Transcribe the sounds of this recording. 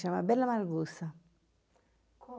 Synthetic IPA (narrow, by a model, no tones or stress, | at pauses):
ʃama̰bɛlːamalɡusa | k